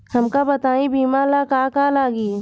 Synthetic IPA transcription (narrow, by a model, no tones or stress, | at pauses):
hɐmkabɐt̪aːĩbiːmalakaːkalaːɡiː